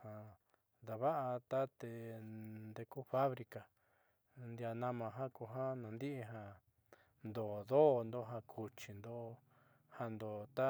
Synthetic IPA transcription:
hã˧ | ða˨βa˦ʔa˧t̪a˦t̪e˧nd̪e˧ku˦fa˦βɾi˧ka˨ | nd̪ja˧nã˧mã˧ɦã˦ku˧ɦã˦nã˨˧nd̪i˦ʔi˧ɦã˧ | nd̪o˨ðo˦˧nd̪o˧ɦã˧kʰu˧t͡ʃi˨nd̪o˧ | ha˧nd̪o˨t̪a˦

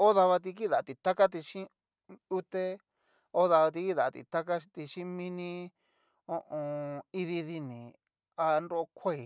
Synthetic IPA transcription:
o˦ða˧βa˧t̪̬i˧k̬i˦ða˨t̪i˨t̪a˦ka˦t̪̬i˧ʃĩ˦ | u˦t̪e˦ | o˦ða˧βa˧t̪i˧ki˦˨ða˨˧t̪ḭ˨t̪a˦ka˦˧t̪i˧ʃĩ˦mĩ˦nĩ˦ | o˦˧ʔõ˧i˧ði˧ði˧nĩ˨ | a˧nɾo˦˧kʷe˦i˨

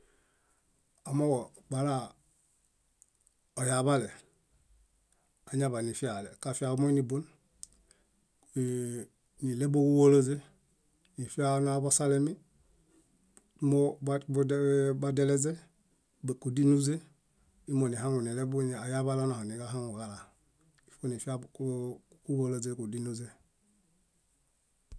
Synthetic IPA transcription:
a˨mo˦wo˨ba˨ɾa˦ | o˨ja˨βa˦le˨ | a˨ɲa˦˨βa˨ni˨fi˦a˨le˨ka˨fi˦a˨u˦mo˦ni˨bu˦n | ni˨le˦bo˦ɡu˦wo˦lo˦ze˦ | ni˨fi˦a˦nu˦a˨bo˦sa˦le˦mi˦ | mo˦b | ba˦de˦le˦ze˦ | be˨ku˨di˦nu˦ze˦ | i˦mo˨ni˨ɦa˦ŋu˨ni˨le˦bu˦˨a˨ja˦ba˦la˦na˨ho˨ni˨ɡa˦ɦa˦ŋu˨ɡa˨la˨ | i˨fo˦ni˨fi˦a˦ | ku˦wo˦lo˨ze˦ku˨di˦nu˦ze˦

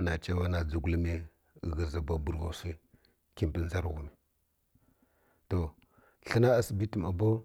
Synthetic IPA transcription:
na˨t͡ʃa˦wa˦na˨d͡zu˨ɡʷli˦mi˦˨ | ɣə˨za˨ba˨bu˦ɾɣa˨˦si˦ | ki˦mpi˨n˦za˦ɾɣu˨mi˨ | to˨ | ɬə˦na˦a˦si˨bi˦ti˨ma˨bo˦

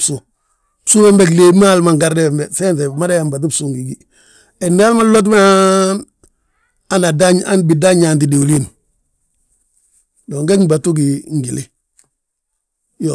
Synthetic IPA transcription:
su˨ | su˦be˦mbe˦kle˦ma˦lma˨ŋɡa˦ɾde˦e˨mbe˨se˦nte˨ma˦da˦ja˨mba˨t̬i˦bsuː˦ŋɡi˨ɡi˦ | e˨ndi˦a˦lma˦lo˦t̬m˦an | a˦na˨daɲa˦nbi˨da˦ɲa˨nti˨di˨wu˨li˦n | do˨ŋɡe˦ŋba˨tu˦ɡi˨ŋ˨ɡi˨li˦ | jo˨

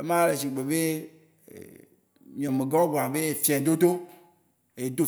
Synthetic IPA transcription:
e˦mã˦le˨si˨ɡ͡be˨bḛ˦˨ | mĩ˨ɔ̃˨me˨ɡa˦ɡʷa˨be˦e˨fi˨ã˨d̪o˦d̪o˦ | e˨d̪o˦˨

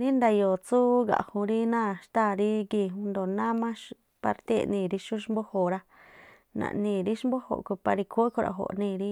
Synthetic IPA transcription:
nĩ˦nd̪a˧jo˨t͡su˦ɡa̰˨hũ˧ɾi˦nã˦˨ʃt̪a˦˧˨ɾi˦ɡi˧hũ˧nd̪o˨nã˦mã˦ʃ | pa˧ɾt̪e˦˨nĩː˧˨ɾi˧ʃu˦ʃmbo˦ho˨ɾa˧ | nã̰˧ʔnĩː˧˨ɾi˦ʃmbo˦ho̰˧˨ʔku˧pa˧ɾi˧kʰu˦kʰo˧ɾa̰˧˨ɦo̰˨ʔnĩː˧˨ɾi˦

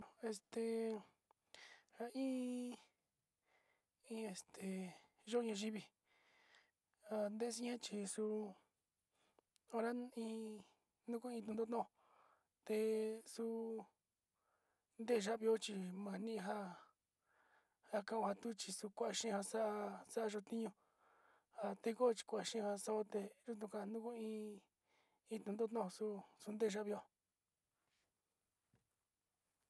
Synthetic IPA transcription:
e˧st̪e˨ | ha˧ĩː˦ | ĩ˧˦e˧st̪ʰe˨ | ʒo˦˧ɲã˧ʒi˦βi˧ | a˧nd̪e˦˧s̬ĩ˦ẽ˦t͡ʃi˧su˧ | o˧ɾa˦ĩː˧ | nũ˦ku˦ĩ˧t̪ũ˧d̪o˦t̪õ˦˧ | t̪e˧su˧ | nd̪e˦˨ʒa˦ʔβi˧o˦t͡ʃi˧mã˨nĩ˦˧ɦa˦ | a˧kã˧ʔõ˧ha˧t̪u˦t͡ʃi˧su˧kʷa˦ʔa˧ʃĩ˦˧ha˧sa˦ʔa˧sa˦ʔa˧ʒo˧t̪ĩ˦ɲũ˧ | ha˧t̪e˦ko˦˧t͡ʃi̥˧kʷa˨a˨ʃĩ˦˧ha˧sa˦o˦t̪e˧ʒo˦t̪̬ũ˧ka˧nũ˦ku˦ĩ˧˦ | ĩ˧t̪ũ˧nd̪o˦t̪õ˦õ˧su˦su˧nd̪e˦˨ʒa˦βi˧o˦

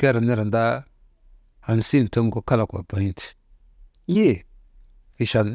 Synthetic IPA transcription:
ke˦ɾa˨ni˦ɾa˨nda˦ | a˨n˨si˦n˨to˦ŋ˦ɡo˦ka˦la˨kʷa̰˨ba˨i˦nti̥˨˦ | je˦˨ | fi˨ʃa˨l

